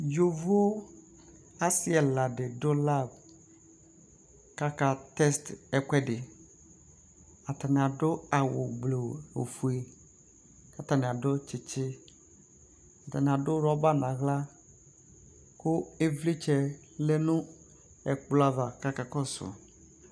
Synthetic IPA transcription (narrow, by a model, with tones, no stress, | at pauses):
d͡ʒo˨vu˦ | a˦sɪ˦ɛ˨la˨dɪ˨dʊ˦la˦b | ka˦ka˦t̪ɛ˦stɛ˨kɛ˦dɪ˨ | a˨t̪a˨nɪ̃˨a˨dʊ˦a˨wʊ̰˨ɡ͡blo˨o˨fu˨e˨ | ka˨t̪a˨nɪ̃˨a˨dʊ˦t͡ʃɪ˨t͡ʃɪ˦ | a˨t̪a˨nɪ̃˨a˨dʊ˦ɾɔ˦ba˦nã˨ɣla˦ | kʊ˦e˦vli˦t͡ʃɛ˨ | le˦nʊ̃˦ | ɛ̰˨k͡pla˦va˨ka˦ka˦kɔ˦sʊ̰˨